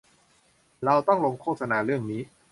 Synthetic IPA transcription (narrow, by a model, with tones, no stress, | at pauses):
ɾa˧wt̪ɔ˥˩ŋlo˧mkʰoː˥˩t̪̚sa˧naː˧ɾɯ˥˩əŋniː˦˥